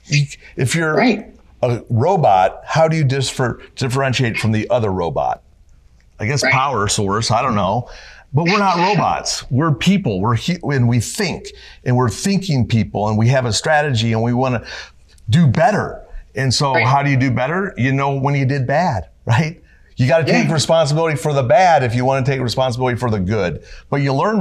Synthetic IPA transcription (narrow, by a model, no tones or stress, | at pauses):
jɨʔɨfjə˞ | əɹoʊbɑt̚haʊɾɨjɨdɪfə˞d̥ɪfə˞ɛ̃nʃieɪtfɹʌ̃mðiʔʌðə˞ɹoʊbɑ̰t̚ | aɪɡɛspʰaʊə˞sɔɹsaɪɾõʊ̃nːoʊb̥ʌt̚wəɹnət̚ɹoʊbɑ̰tswɪɹpʰipl̩ˠwɪɹhɨ̃nwiθɪ̃ŋkʔɨ̃nwɪɹθɪ̃ŋkɪ̃ŋpʰipl̩ˠə̃nwiɨvəstɹ̥æɾɨd͡ʒiɨ̃nwiwɑnɨ | dɨbɛɾə̰˞ɨ̃nsoʊɦaʊɾɨjɨdɨbɛɾə˞jɨnoʊwə̃njɨdɨd̚bæd̥ɹaɪt̚ | jɨɡɑɾɨtʰeɪkɹɨspɑ̃ns̬əbɪlˠəɾifə˞ðəbæɾɨfjɨwɑ̃ñɨtʰeɪkɹɨspɑ̃nsəbɪlˠəɾifə˞ðɨɡʊd̚b̥ʌt͡ʃɨlɜ̃˞n